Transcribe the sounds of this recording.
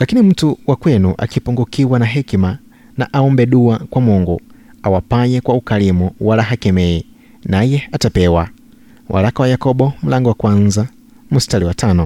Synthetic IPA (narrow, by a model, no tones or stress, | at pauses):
lakinim̩tuwʔakwɛnuʔa̰kipɔŋɡukiwanaɦɛkma | naʔaɔmbɛɗuakwamɔŋɡu | awapaɲɛkwaukalimuwalaɦakɛmɛi | najɛatapɛwa | wʔa̰lakawajakɔbɔm̩laŋɡɔwakwanza | mustaliwatanɔ